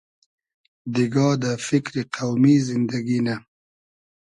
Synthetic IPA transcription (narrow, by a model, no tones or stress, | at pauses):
d̪iɡɑːd̪əfɪkɾiqawmizɪnd̪aɡina